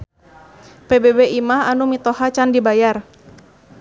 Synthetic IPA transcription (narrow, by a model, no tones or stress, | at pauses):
pebebeʔimaɦanumit̪ɔhat͡ʃandibajar